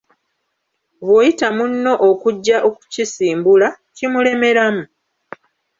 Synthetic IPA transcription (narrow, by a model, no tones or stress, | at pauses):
βojitamunːo̞ʔokuɟːaʔoku̥cisiːmbula | cimule̞me̞ɾamu